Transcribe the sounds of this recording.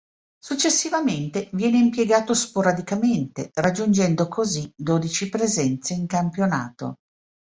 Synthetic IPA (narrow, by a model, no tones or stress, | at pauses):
sut͡ʃːesːivament̪evjɛːneimpjeɡaːt̪ospoɾad̪ikament̪erad͡ʒːund͡ʒɛnd̪okʰozid̪oːd̪it͡ʃipɾezɛnt̪seiŋkampjona̰ːt̪o̰